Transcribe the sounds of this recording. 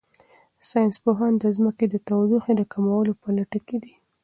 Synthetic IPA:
sɑjnspoɦɑnd̪əzməked̪ət̪awd̪uxed̪əkamawəlopəlaʈəked̪i

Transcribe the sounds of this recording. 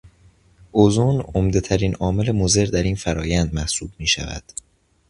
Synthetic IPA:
ʔozunomd̪et̪ʰæɾiːnʔɒːme̞le̞moze̞ɾd̪æɾiːnfæɾɒːjænd̪mæhsuːbmiːʃæ̰væ̰d̪̥

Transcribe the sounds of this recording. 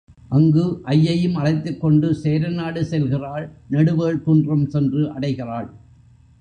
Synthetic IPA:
ʔɐŋɡɯʔɐjːɐjɯmɐɭɐɪt̪ːɯkːɔɳɖɯseːɾɐnaːɽɯsɛlɣɪraːɭnɐɽɯʋeːɭt̪ʊndrɐmsɛndrɯʔɐɽɐɪɣɪraːɭ

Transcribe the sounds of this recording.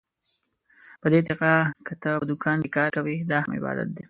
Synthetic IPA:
pəd̪ed̪ɪqakət̪əəd̪ʊkɑnd̪ekɑɾkawid̪ɑhamɪ̰bɑ̰d̪a̰t̪̚d̪e

